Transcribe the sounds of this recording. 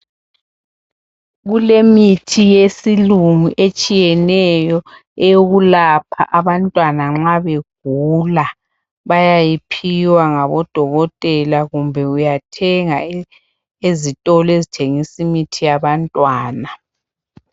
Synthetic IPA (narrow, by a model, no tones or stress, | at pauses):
ɣulemitʰijesiluŋuʔet͡ʃʼijɛnɛjɔ | ɛjoɣulapʰa̰ʔaβantʼwanaŋ͡ǁaβeɡ̥̚ʱula | βajajipʰiwaŋaβɔd̥ʱɔɣɔtʼɛlaɣumbʱɛujatʰɛŋa | ezitʼɔlɔezitʰeŋisimitʰijaβantʼwaːna